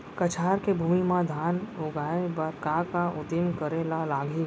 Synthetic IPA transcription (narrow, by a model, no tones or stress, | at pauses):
kət͡ʃʰaːɾkebʱuːmimãd̪ʱaːnʊɡʱaːebəɾkakaʊd̪imkəɾelalaːɡi